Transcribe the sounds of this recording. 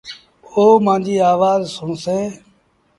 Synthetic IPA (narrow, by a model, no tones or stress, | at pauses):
oːmãːnd͡ʒiːaːʋaːzsõːseː